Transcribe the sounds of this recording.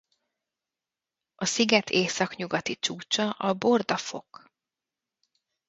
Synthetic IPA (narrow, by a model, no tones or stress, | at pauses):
ɒsiɡɛt̪ʰeːsɒkɲuɡɒt̪it͡ʃuːt͡ʃɒʔɒbord̪ɒfo̞k